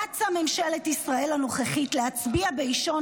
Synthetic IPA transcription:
at͡same̞mʃelet̪isʁae̞lano̞χeχitleat͡sbiabeiʃo̞

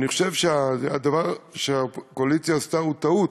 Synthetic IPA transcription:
niχoʃe̞vʃeazejad̪avaʁʃeakoalit͡sjast̪aut̪aut

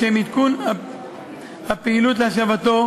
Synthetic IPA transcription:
emit̪kun | ɐpilut̪̬laʃ̬ɐʋɐt̪o

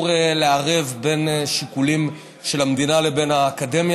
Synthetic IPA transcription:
ʁeleaʁevbe̞nʃikulim | ʃe̞lamd̪inalebe̞nhaːkade̞mj

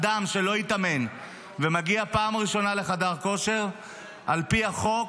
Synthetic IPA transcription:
d̪amʃe̞lo̞it̪ame̞n | vemaɡiapaːmʁiʃo̞nale̞χad̪aʁko̞ʃe̞ʁ | ʔalpiaχo̞k

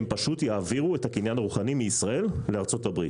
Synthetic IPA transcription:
mpaʃut̪jaːviʁuethakinjanaʁuχanimiːsʁaʔe̞lleaʁt͡so̞tabʁi

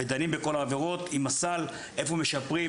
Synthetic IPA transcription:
ed̪animbeko̞laːveʁo̞t̪imasal | e̞fo̞me̞ʃapʁi

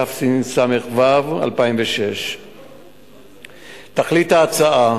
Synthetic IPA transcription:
afsinsameχvava̰lpaimveʃe̞ʃ | t̪aχlitaːt͡saa

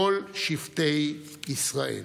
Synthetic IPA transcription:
olʃivt̪ej | isʁaḛl

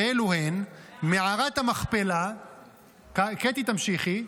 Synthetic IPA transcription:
eluhenmeʕaʁat̪hamaχpela | kaket̪it̪amʃiχi

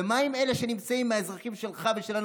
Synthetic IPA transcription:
emaime̞le̞ʃe̞nimt͡saimːeaezʁaχimʃe̞lχaveʃelan

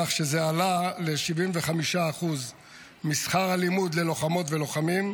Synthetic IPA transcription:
aχʃe̞zealale̞ʃivimveχamiʃaːχuz | misχaʁalimud̪le̞lo̞χamo̞t̪ve̞lo̞χamim

